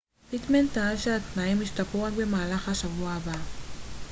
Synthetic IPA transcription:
tit̪ment̪aadʃeat̪naimiʃt̪apuaɡbemaːlaχaʃavuaːba

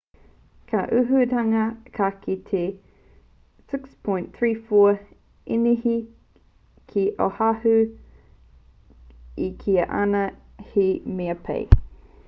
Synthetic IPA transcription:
kʰɐʔʉɦʉtɐŋɐkʰɐkitʰe | sɪkspʰɔ̃j̃nθɹiːfoː | inihi | kʰiʔohɐhʉ | ikʰiɐʔɐ̰nɐhimeɐpʰḛj

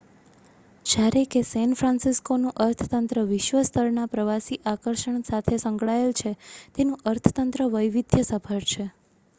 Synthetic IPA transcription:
d͡ʒjaɾekesɛnfɾãnsiskonũʔəɾt̪ʰət̪ənt̪ɾəʋɪʃʋəst̪ʰəɾnapɾəʋasiʔakəɾʃəɳsat̪ʰesə̃ŋɡɭaelt͡ʃʰet̪enũʔəɾt̪ʰə̥t̪ənt̪ɾəʋəjʋid̪ʱjəsəpʰəɾt͡ʃʰe

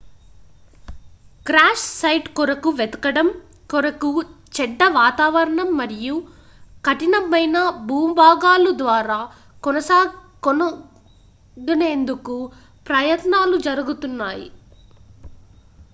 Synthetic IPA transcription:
kɾaːʂsɐjʈkɔɾɐkuʋɛt̪ɐ̥kɐɽɐm | kɔɾɐkut͡ʃɛɖːɐʋaːt̪aːʋɐɾɐɳɐmːɐɾiju | kɐʈinɐmɐjnɐbuːmbʱaːɡaːlud̪ʋaːɾaː | kɔnɐsaː | ɡɐne̞ːnd̪uku | pɾɐjɐt̪naːlud͡ʒɐɾɐɡut̪unːaːjḭ

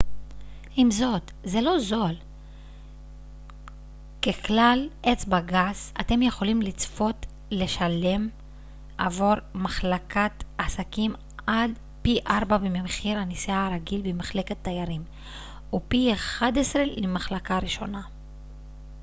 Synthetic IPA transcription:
ʔimzo̞t̪ze̞lo̞zo̞l | keklalʔet͡sbaɡaza̰t̪e̞mje̞χo̞limlit͡sfo̞t̪ | le̞ʃale̞m | ʔa̰voɾmaχlakatasakim | ad | piʔaɾbabememχiɾanisiaɾaɡilbemaχle̞ket̪ːajaɾim | upieχadesʁeimaχlakaɾiʃo̞̰na

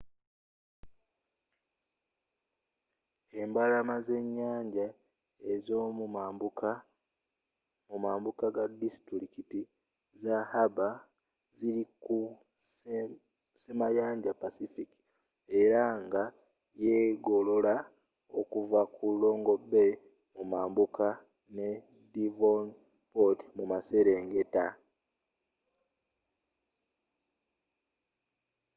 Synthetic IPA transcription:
e̞mbalamaze̞ɲːaːɲɟa | e̞zo̞m | mumaːmbukaɡadistɾɾikiti | zahaba | ziɾiku | semajaːɲɟapasifiki̥ | e̞ɾaŋɡa | jeɡo̞lo̞la | okuvakʰulːo̞ːŋɡo̞be̞ | mumaːmbukʰa | ne̞ | divon | poti̥mumase̞ɾe̞ŋɡe̞ta

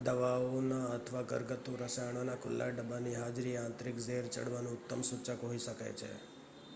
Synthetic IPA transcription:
d̪əʋaonaət̪ʰʋaɡə̰ɾɡət̪ːũɾəsaɳ̃onakʊ̰lːa̰ɖəbaniɦad͡ʒɾiãnt̪ɾikd͡ʒeɾt͡ʃə̰ɽʋanũʊt̪ːəmsut͡ʃəkoɦiʃəka̰jt͡ʃʰḛ

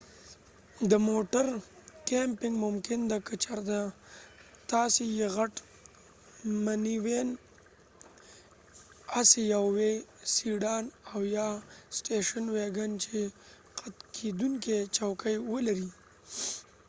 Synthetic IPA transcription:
d̪əmoʈaɾkempɪŋɡmʊmkɪnd̪akat͡ʃaɾd̪a | t̪ɑsejeɣaʈ | maniwen | asejawwesiɖɑːnawjɑsʈeʃənweɡant͡ʃe | qat̪kʰed̪uŋket͡ʃawkəjwəlaɾi

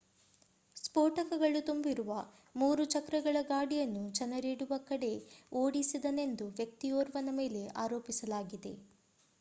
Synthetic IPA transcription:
spoːʈɐkɐɡɐɭut̪umbiɾuʋɐ | muːɾut͡ʃɐkɾɐɡɐɭɐɡaːɽijɐnːut͡ʃɐnɐɾiːɽuʋɐkɐɽe̞oːɽisid̪ɐne̞nd̪uʋjɐk̚t̪ioːɾʋɐnɐme̞ːle̞ʔaːɾo̞ːpisɐlaːɡid̪e̞̰

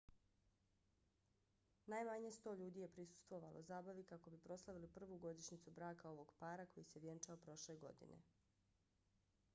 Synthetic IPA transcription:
najmaɲest̪o̞ːʎuːd̪ije̞pɾisu̥st̪ʋo̞ʋalozaːbaʋikako̞bipɾo̞slˠaʋilipr̩ʋuːɡo̞d̪iʃnit̪subɾaːkao̞ʋo̞ɡpaːɾako̞jiseʋje̞nt͡ʃaopɾo̞ʃle̞ɡo̞̰d̪ḭnʔe̞̰

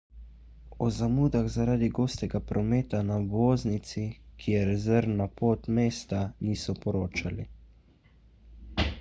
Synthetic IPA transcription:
ɔzamuːd̪aɣzaɾaːd̪iɡoːst̪ɛɡapɾɔmeːt̪anaboːznit̪sikʰijɛɾɛzɛɾnapoːt̪meːst̪aniːsɔpɔɾoːt͡ʃali

